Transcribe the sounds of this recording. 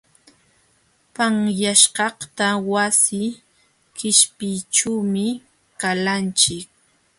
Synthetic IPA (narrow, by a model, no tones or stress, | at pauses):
paŋjaʃɢɑht̪awasɪ | kɪʃpɪjʈ͡ʂuwmɪ | kalant͡ʃɪk̚